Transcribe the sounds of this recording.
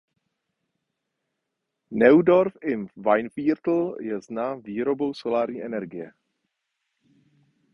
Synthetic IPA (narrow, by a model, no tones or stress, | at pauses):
nɛwdoɾfɪmvajnfiːɾt̪l̩jɛznaviːɾo̞bo̞wsolaːɾɲiːʔɛnɛɾɡɪjɛ